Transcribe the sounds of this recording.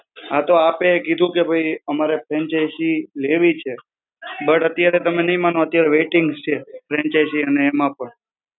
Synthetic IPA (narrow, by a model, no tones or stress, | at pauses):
at̪oapekid̪ʱũkebʱəjəmaɾefʰɾɛnt͡ʃajsileʋit͡ʃʰe | bəʈət̪jaɾet̪əmenəɦĩmanoət̪jaɾeʋeʈɪŋɡst͡ʃʰefɾɛ̃nt͡ʃajsiəneːmãpəɳ